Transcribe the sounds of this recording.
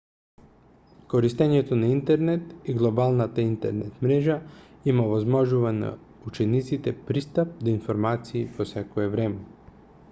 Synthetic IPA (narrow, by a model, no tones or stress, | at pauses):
koɾist̪ɛɲɛt̪onaint̪ɛɾnɛt̪iɡlˠobalˠnat̪aint̪ɛ̰ɾnɛt̪mɾɛʒa | imaovazmɔʒuvana̰ | ut͡ʃɛnit̪sit̪ɛpɾist̪ap̚d̪ainfoɾmat̪siːposɛkoɛvɾɛmɛ